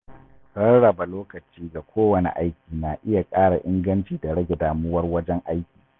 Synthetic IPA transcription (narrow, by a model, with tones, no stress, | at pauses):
sɐ˦nɽɐ˨ba˨loː˦kɐ˨t͡ʃiː˦ɡa˨kʷʰoː˦wɐ˨nḛ˨ʔa˦jkʲiː˨naː˨ʔɪ˦ja˨kʼaː˦ɽa˨ʔɪ˦ŋɡɐ˦nt͡ʃiː˨da˨ɽɐ˦ɡʲɛ˨daː˨mʊ˦wɐ˦rwɐ˦d͡ʒɛ˦ŋʔa˦jkʲi̥ː˨